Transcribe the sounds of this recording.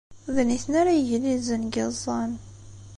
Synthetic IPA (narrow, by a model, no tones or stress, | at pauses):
ðniθənaɾajəʝlizənɡezˤːɑn